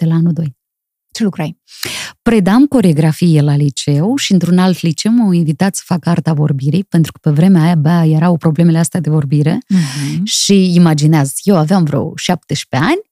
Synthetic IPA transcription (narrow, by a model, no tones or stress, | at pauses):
d̪̥e̞laanud̪o̞j | t͡ʃelukɾajpɾe̞d̪amko̞ɾe̞o̞ɡɾafijelalit͡ʃe̞wʃiɨnt̪ɾunalt̪lit͡ʃe̞wmawinvit̪at̪sə̥fakəart̪avo̞̰rbiɾijpent̪ɾukə̥pe̞vɾe̞meajabaje̞ɾawpɾo̞ble̞me̞least̪ead̪e̞vo̞rbiɾe̞ | ʃiimad͡ʒineazje̞waveamvɾeo̰wʃap̚t̪eʃpe̞anʲ